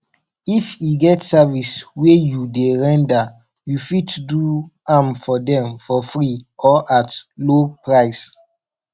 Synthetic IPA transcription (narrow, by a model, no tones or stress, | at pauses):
ifiɡɛtsaviswejudeɹɛ̃nda | jufitduamfɔdɛ̃mfɔfɹiɔʔatlopɹaɪs